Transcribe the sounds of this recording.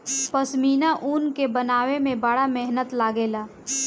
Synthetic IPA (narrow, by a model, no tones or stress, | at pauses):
pəsmiːnaʔuːnkebənaːwemẽbəɽamɛɦnət̪laːɡeːlaː